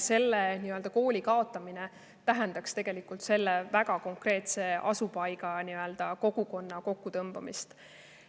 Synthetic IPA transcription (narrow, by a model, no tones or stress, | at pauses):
se̞lːeniøld̪̥ɑko̞ːlʲikɑo̞t̪ˑːɑmine | t̪æɦɛnd̪ɑkst̪e̞ɡ̥e̞likːˑult̪se̞lːevæɡ̥ɑko̞ŋkre̞ːt̪se̞ʔɑ̰supɑjɡ̥ɑniø̞ld̪̥ɑko̞ɡ̥uko̞nːɑko̞kːut̪ɤmbɑmḭst̪